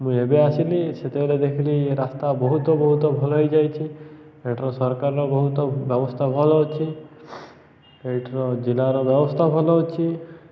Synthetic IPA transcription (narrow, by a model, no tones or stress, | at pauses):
mũebeasiliset̪ebeled̪ekʰiliɾast̪abɔɦut̪ɔbɔɦut̪ɔbʱɔlɔɦojd͡ʒajt͡ʃʰieʈɾɔsɔɾkaɾɾɔbɔɦut̪ɔbjɔbɔst̪ʰabʱɔlɔut͡ʃʰi | eʈɾɔd͡ʒilaɾɔbjɔbɔst̪ʰabʱɔlɔwt͡ʃʰi